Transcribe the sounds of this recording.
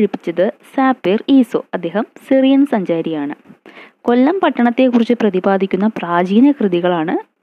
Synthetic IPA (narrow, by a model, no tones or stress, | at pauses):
ɻupːi̥t͡ɕːɐðɨsaːpːiriːsoɐd̪ːe̞ːɦɐmsirijɐnsɐɲd͡ʑaːɾijaːɳɨko̞lːɐmpɐʈːɐɳɐt̪ːe̞kːurit͡ɕːɨprɐðibaːd̪ikʲːunːɐpraːd͡ʑiːnɐkrɨðiɣɐɭaːɳɨ